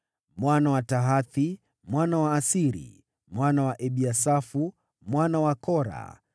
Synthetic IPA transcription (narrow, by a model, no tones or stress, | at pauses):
mwanawataɦaθi | mwanawaːsiɾḭ | mwanawaʔɛɓiasafu | mwanawakɔɾa̰